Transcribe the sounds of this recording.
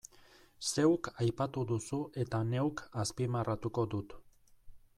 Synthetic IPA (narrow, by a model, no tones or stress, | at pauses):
se̞wkajpat̪uðusuʔe̞t̪ane̞wkaspimarat̪uko̞d̪ut̪